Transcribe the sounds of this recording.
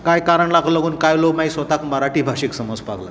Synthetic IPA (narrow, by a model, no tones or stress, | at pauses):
kajkaɾəɳlaɡʰʱlaɡʱuːnkajlomajsʋət̪akməɾaʈiːbʱaɕiːksəmod͡zpakla̰